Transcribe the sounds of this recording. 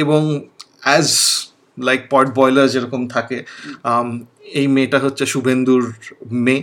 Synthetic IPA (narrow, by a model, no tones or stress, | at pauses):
eboŋɛd͡ʑ | lajk̚pɔɾʈ̚bɔjlaɾd͡ʑeɾɔkomt̪ʰake | ejmeʈaɦotːɕʰeʃubʱend̪uɾme